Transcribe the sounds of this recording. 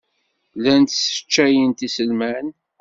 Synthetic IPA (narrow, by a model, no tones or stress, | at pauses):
lænt̪sə̥t͡ʃːæjənt̪isəlmæn